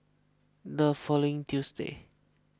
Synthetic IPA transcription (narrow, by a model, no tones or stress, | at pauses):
dəfɔloĩŋtjusdḛ